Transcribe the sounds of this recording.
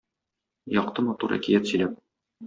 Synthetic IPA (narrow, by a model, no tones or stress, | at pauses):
jɒqt̪ɤmɒt̪uɾæ̰kijæt̪sɵ̆jlæp̚